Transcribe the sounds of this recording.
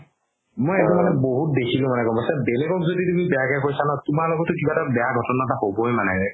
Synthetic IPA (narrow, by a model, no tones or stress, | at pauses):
mojetumanɛboɦut̚dekʰilʊ̃manɛkɔmbɔsabelɛɡɔkzoditumibɛakakojsanatumalɔɡɔtːʊkibatabɛjaɡʱɔtɔnatahobɔjmanɛɹɛ